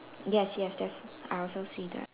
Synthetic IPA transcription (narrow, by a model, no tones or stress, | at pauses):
jɛsjɛsdætsaɪɔlˠsoʊsidɨ̰